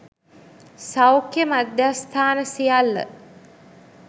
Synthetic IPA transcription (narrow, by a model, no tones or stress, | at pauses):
sawkjəmad̪jast̪ʰaːnəsijalːə̰